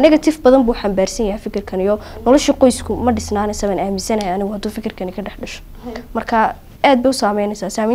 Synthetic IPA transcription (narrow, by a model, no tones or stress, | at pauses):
ʔɐnɪɣɐt̪ʰɪfbɐðɐmbuːħambaːrsɐnjɐhɛjfɪkʰɪrkʰɐnijɔnɔlɔʃiːqɔjskʰʊmɐɖɪsnaːnɪsɐβaːnaːmɪnsɐnɐjaɐnɪɣʊhɐd̪uːfɪkʰɪrkʰɐnɪkʰɐɖɛħɖɐʃɔ̥ | mɐrkʰa | aːd̪̚bɛjʊsaːmɛjnɛsaːsaːmi